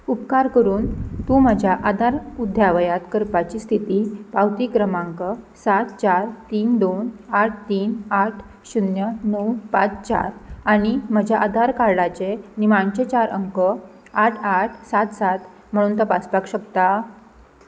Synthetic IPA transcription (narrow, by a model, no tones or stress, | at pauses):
upkaɾkəɾuːnt̪ũməd͡ʑʱjaʔad̪aɾud̪ʱjaʋəjat̪kəɾpat͡ɕiːst̪ʰit̪iːpawt̪iːkɾəmãŋkəsat̪t͡ɕaɾt̪iːnd̪onaʈ̚ʰt̪iːnaʈʰ | ɕunjənɔwpat͡st͡ɕa̰ɾaɽ̃iməd͡ʑʱaʔad̪ʱaɾkaɾɽat͡ɕenimaɳt͡ɕet͡ɕaɾʔə̰ŋkə | aʈʰaʈʰsat̪sat̪ | m̤əɽ̃uːnt̪apat͡spakɕəkt̪a